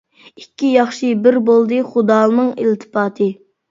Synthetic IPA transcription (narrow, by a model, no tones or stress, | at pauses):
ikʲːijɑχʃɨbɪɾbolˠd̪ɨχʊd̪ɑːlˠɨnɨŋilt̪ʰɨ̥pɑːt̪ʰɨ